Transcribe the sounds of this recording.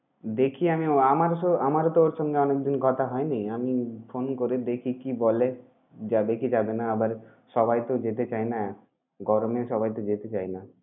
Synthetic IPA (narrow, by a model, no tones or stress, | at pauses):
d̪ekʰiamioamaɾoamaɾot̪ooɾʃɔŋɡeɔnekd̪inkɔt̪ʰaɦɔenejamifonkoɾed̪ekʰikibole | d͡ʑabekid͡ʑabenaabaɾ | ʃɔbajt̪od͡ʑet̪et͡ɕajna | ɡɔɾomeʃɔbajt̪od͡ʑet̪et͡ɕajna